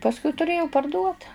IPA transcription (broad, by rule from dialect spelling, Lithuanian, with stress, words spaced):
pɐsˈkʊɪ tʊˈrʲeːjɛʊ pɐrˈduɔt